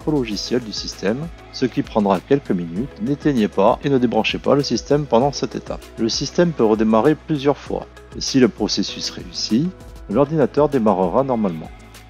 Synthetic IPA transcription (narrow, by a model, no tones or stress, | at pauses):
pɔlɔʒisjɛld̪ysist̪ɛm | səkʲipχɑ̃d̪ʁakʲɛlkəminyt̪net̪eɲɛpaʔenəd̪ebʁɑ̃ʃɛpa̰ləsist̪ɛmpɑ̃d̪ɑ̃sɛt̪et̪ʰa̰pləsist̪ɛmpøʁəd̪emaʁeplyzjœʁfwa̰ | siləpχɔsesysʁḛysi | lɔʁd̪inat̪œʁd̪emaʁəʁanɔʁmalmɑ̰̃